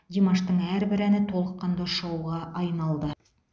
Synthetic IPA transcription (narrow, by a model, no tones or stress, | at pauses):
d̪imɑʃt̪ɤɴæɾbɘ̆ɾænɘt̪olˠɤ̆qːɑnd̪ɑ̆ʃɑwʁɑʔɑjmɑlˠd̪ɤ